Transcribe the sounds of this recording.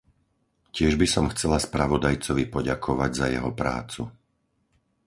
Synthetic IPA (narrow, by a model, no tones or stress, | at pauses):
cɪɛʒbisɔmxt͡sɛlaspɾaʋɔd̪ajt͡sɔʋipɔɟakʰɔʋaɟzajɛ̰ɦɔpɾa̰ːt͡su